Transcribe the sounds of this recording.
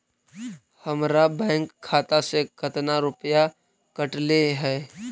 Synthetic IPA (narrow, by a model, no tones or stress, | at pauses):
hɐmɾabɛ̃ːŋkʰːaːt̪asekət̪naɾʊpja | kəʈleɦɛː